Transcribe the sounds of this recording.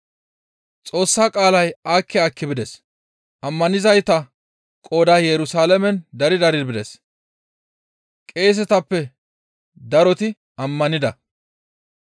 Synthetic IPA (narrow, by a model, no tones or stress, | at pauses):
t͡sʼo̞ːsːaːkʼaːlɐjaːkːɛɐkːɪbɪd̪ɛs | ʔɐmːɐnɪzɐjt̪ɐ | kʼoːd̪aːjɛɾʊsaːlɛmɛnd̪ɐɾɪd̪ɐɾɪd̪bɪd̪ɛs | kʼe̞ːs̬ɛt̪ɐpːɛ | d̪ɐɾɔt̪ɪ | ɐmːɐnɪd̪ɐ